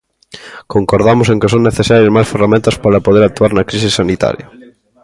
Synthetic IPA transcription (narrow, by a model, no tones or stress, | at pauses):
koŋkoɾð̞amʊseŋkesoŋneθesaɾjɐsmajsferamẽnt̪ɐspaɾɐpoðeɾak̚t̪ːuaɾnɐkɾisisanit̪a̰ɾjɐ